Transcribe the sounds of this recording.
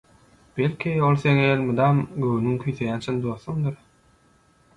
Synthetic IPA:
b̥elʲkʰʲiolˠθeŋelʲmɯd̪ɑmɡøwnyŋkʲʰyjθejæːnt͡ʃʰɯnd̪oːθumd̪ɯɾ

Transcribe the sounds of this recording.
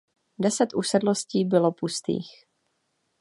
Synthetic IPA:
dɛsɛt̪ʔusɛdlo̞sciːbɪlo̞pust̪ḭːx

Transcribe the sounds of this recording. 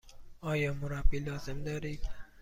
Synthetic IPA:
ɒːjɒːmʊɾabilɒːz̥ɪmd̪ɒɾid̪

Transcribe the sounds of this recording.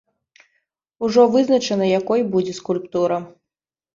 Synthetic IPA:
uʐɔvɨznɐt͡ʂɐnɐjakɔjbud͡zʲɛskulʲpt̪uɾɐ

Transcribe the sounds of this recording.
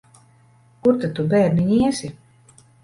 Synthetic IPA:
kuɾt̪at̪ːubɛːɾniɲiɛsi

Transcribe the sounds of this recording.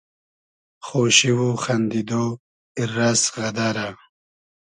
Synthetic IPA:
χoɕiwuχand̪id̪o | irːasɣɐd̪aɾa

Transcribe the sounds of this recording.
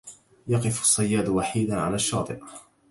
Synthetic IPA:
jɑqɨfsˤːɑjːaːd̪waħiːd̪anʕa̰laːʃːɑːt̪ˤɨʔ

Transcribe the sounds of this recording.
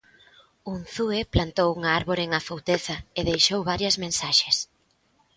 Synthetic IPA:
uŋθueplant̪owuŋaaɾβoɾeŋafowt̪eθɐeðejʃowβaɾjɐzmẽnsaʃes

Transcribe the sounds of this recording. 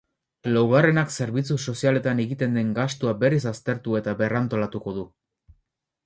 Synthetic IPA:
lawɣare̞nakse̞ɾβit͡suso̞siale̞t̪aneɣit̪e̞nd̪e̞ŋɡast̪uabe̞ris̬ast̪e̞ɾt̪ue̞t̪aβe̞rant̪o̞lat̪uko̞ðu

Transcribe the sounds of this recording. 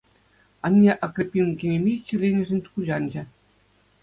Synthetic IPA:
ɑnʲːeʔɑkrʲepʲːimkʲenʲĕmʲet͡ɕɘ̆lʲenʲɘ̆ʐɘ̆nʲt̪kuʑɑnʲd͡ʑɘ̆

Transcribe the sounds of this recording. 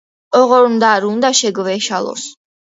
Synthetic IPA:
ɔʁɔɾund̪aɾund̪aʃɛɡvɛʃalˠɔ̰s

